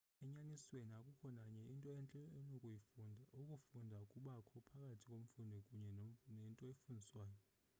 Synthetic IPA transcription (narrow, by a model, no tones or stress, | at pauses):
ɛɲanisweniakʼukʰɔnaɲɛintʼɔɛɛnokʼuukʼufundʱaukʼuɓakʰɔpʰakʼatʰi̥kʼom̩fundʱikʼuɲɛnentʼɔefundʱiswaːjɔ